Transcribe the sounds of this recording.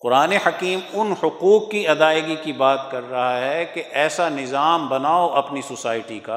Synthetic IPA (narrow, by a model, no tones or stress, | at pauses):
qʊɾaːnehɐkiːmʊnhʊquːqːiɐd̪aːɪɡikibaːt̪kɐɾːɐɦaɦɛkeʔɛːsanɪzaːmbɐnaːoʔɐpnisʊsaːɪʈika